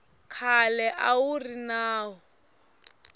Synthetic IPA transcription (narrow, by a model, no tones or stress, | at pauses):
kʰalɛʔawurinaːwɔ